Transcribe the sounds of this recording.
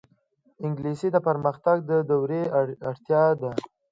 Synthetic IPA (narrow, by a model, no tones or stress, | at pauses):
ɪŋɡlisid̪əpəɾməxt̪aɡ̚d̪əd̪awɾeaɽt̪jɑd̪a